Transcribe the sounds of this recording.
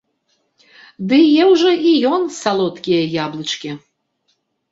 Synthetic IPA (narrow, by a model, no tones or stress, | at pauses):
d̪ɨjɛwʐɔʔijɔnsalˠɔt̪kʲijɐjablˠɨt͡ʂkʲi